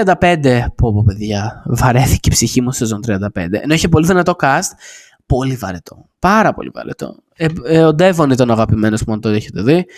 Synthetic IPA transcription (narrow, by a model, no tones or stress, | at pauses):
iɐnd̪ɐpe̞nd̪e̞puɐpope̞ðʝɐvɐɾe̞θi̥ceipsiçimusezo̞nt̪ɾiɐnd̪ɐpe̞̰nd̪e̞eno̞içep̬oliðinɐt̪o̞kɐst̪̚ | po̞livɐ̰ɾet̪ʰo̞ | pɐɾɐpo̞̰lḭvɐ̰ɾet̪o̞̰ | eod̪e̞vo̞nit̪ɐnɐɣɐpime̞nospumoɐnt̪oeçe̞t̪e̞ði